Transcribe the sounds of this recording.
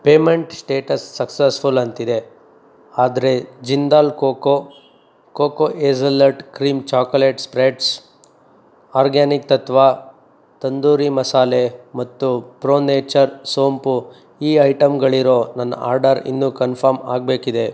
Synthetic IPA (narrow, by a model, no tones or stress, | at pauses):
peːmeɳʈsʈeːʈɐsːɐksesfulɐnt̪id̪e̞ | aːd̪ɐɾe̞d͡ʒind̪aːlkoːko | koːkoʔeːsɐlɐɾʈkɾiːmt͡ʃaːkoleːʈspɾeːʈs | aːɾɡaːnik̚t̪ɐt̪ʋaː | t̪ɐnd̪uːɾimɐsaːlemɐt̪ːupɾoːneːt͡ʃɐɾsoːmpu | iːɐjʈɐmɡɐɭiɾo̞ːnɐnːɐ̰ʔa̰ːɾɖɐɾḭnːukɐnpʰɐɾma̰ːɡ̚be̞ːkid̪e̞